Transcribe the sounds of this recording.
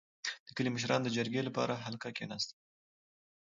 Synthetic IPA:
d̪̥əkəliməʃ̬ɾɑnd̪əd͡ʒaɾɡelapɑ̰ɾaɦalkakenɑst̪a

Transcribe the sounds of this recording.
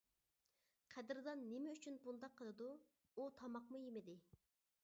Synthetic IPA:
qʰæd̪ɪɾd̪ɑnːemɛyt͡ʃʰynbund̪ɑqʰːəlˠɨd̪u | ut̪ʰɑmɑqmujemɪd̪ɪ

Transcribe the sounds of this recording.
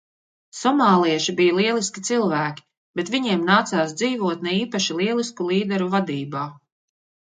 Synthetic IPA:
sɔmaːlˠiɛʃibijaliɛlˠiskʲi̥t̪silˠvæːkʲi̥ | b̥et̪viɲiɛmnaːt̪saːs̬d̪ziːvuɔt̪nɛiːpaʃilˠiɛlˠiskulˠiːd̪ɛɾuvad̪iːbaː

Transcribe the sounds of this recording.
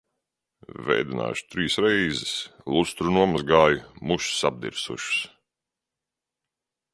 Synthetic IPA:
vɛ̰jd̪ina̰ːʃt̪ɾiːsɾɛjzɪslˠust̪ɾunuɔmazɡaːjumuʃsab̚d̪ḭɾsṵʃs

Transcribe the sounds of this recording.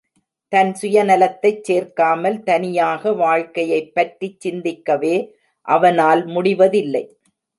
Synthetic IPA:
t̪ɐnsʊjɐnɐlɐt̪ːɐɪt͡ʃseːɾkaːmɐlt̪ɐnɪjaːɣɐʋaːɻkɐjɐɪpːɐʈrit͡ʃːɪnd̪ɪkːɐʋeː | ʔɐʋɐnaːlmʊɽɪʋɐðɪlːɐɪ

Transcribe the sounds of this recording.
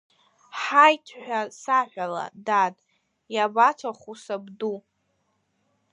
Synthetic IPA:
ħajtʰħʷᶣasaħʷᶣala̰datʼ | jabat͡sʰaχusabdu

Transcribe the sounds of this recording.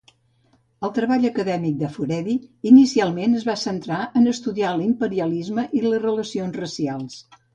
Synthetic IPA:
əlˠt̪ɾəβaʎəkəðɛmik̚d̪əfuɾɛðiːnisialˠmenəzβasənt̪ɾaʔənəst̪uðialimpəɾiəlizməʔiləzrələsionzrəsialˠs

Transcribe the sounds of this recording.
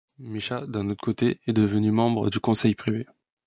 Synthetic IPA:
miʃad̪ɛ̃not̪χə̥kot̪eɛd̪əvənymɑ̃bʁə̰d̪ykɔ̃sɛjpχive

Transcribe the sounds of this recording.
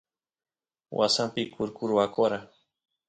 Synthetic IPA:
wʔa̰sampikʊɾkʊɾwakoɾa

